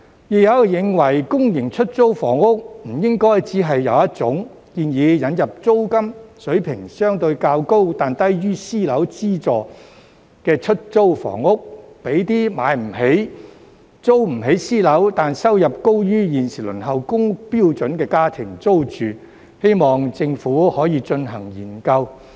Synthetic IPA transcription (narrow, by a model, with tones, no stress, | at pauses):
ji˨jɐ˨˧wjɪ˨˧ŋwɐ˨˩jkʊ˥ŋjɪ˨˩ŋt͡ʃʰɵ˥t̚t͡so˥wfɔ̰ː˨˩ŋʊ˥k̚m̩˨˩jɪ˥ŋkɔː˥jt͡siː˨˥ɦɐ˨jːɐ˨˧wjɐ˥t̚t͡sʊ˨˥ŋ | kiː˨njiː˨˧jɐ˨˧˥njɐ˨p̚t͡so˥wkɐ˥msɵ˨˥ɥpʰɪ˨˩ŋsœː˥ŋt̪ɵ˧ɥkaː˧wko˥wt̪aː˨nt̪ɐ˥jɥyː˥siː˥lɐ˨˥wt͡siː˥t͡sɔː˨˩ | kɛː˧t͡ʃʰɵ˥t̚t͡so˥wfɔ̰ː˨˩ŋʊ˥k̚pe˨˥jt̪iː˥ma̰ː˨˥jm̩˨˩ɦe˨˥j | t͡so˥wm̩˨˩ɦe˨˥jsiː˥lɐ˨˥wt̪aː˨nsɐ˥wjɐ˨p̚ko˥wjyː˥jiː˨nsiː˨˩lɵ˨˩nɦɐ˨wkʊ˥ŋ̚piː˥wt͡sɵ˨˥nkɛː˧kaː˥t̪ʰɪ˨˩ŋt͡so˥wt͡ʃyː˨ | he˥jmɔː˨˩ŋt͡sɪ˧ŋfuː˨˥hɔː˨˥jiː˧t͡ʃɵ˧nɦɐ˨˩ŋjiː˨˩nkɐ˧w